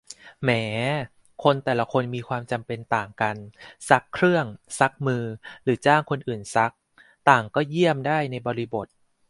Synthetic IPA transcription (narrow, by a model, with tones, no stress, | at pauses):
mɛː˩˦ | kʰo˧nt̪ɛː˨˩la˧˦kʰo˧nmiː˧kʰwaː˧mt͡ɕa˧mpe˧nt̪aː˨˩ŋka˧nsa˦˥kʰːɾɯ˥˩əŋsa˦˥k̚mɯː˧ɾɯː˩˦t͡ɕaː˥˩ŋkʰo˧nʔɯː˨˩nsa˦˥k̚ | t̪aː˨˩ŋkɔː˥˩ji˥˩əmdaː˥˩jna˧jbɔː˧ɾi˦˥bo˨˩t̪̚